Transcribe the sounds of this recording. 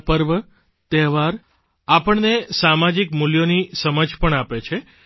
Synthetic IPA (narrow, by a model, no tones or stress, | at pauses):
pəɾʋə | t̪ɛɦʋaɾ | apəɳnesamad͡ʒikmuljonisəməd͡ʒpəɳapet͡ʃʰe